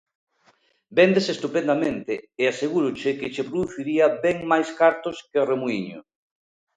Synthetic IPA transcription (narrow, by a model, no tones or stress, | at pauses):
bend̪esest̪upẽnd̪amẽnt̪ɪːaseɣuɾʊt͡ʃɪkɪt͡ʃepɾoðuθiɾiabɛŋmajskaɾt̪oskeremuiɲo̰